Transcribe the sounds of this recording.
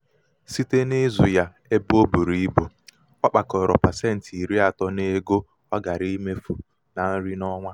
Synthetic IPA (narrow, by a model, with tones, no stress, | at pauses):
si˦te˦ne˦zu˨ja˦ | e˦bo˦bu˨ɾi˦i˦bo˨ | ɔ˦k͡pa˨kɔ˨ɾɔ̰˨pa˨se˦n̩˨ti˨ɾi˦a˨tɔ˦ne˦ɡo˦ | ɔ˦ɡa˨ɾi˦me˦fu˨ | na˨n̩˦ɾi˦nɔ˦ŋʷa˦